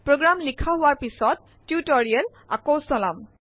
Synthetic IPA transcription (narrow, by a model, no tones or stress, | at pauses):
pɹoɡɹamlikʰaɦʊwaɹpisɔt̚ːjutɔɹiɛl | a̰kowsɔlam